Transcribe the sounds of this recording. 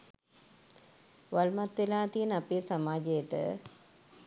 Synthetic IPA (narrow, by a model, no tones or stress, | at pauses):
ʋalmat̪ʋelaːt̪ijənapeːsamaːd͡ʒejəʈə̰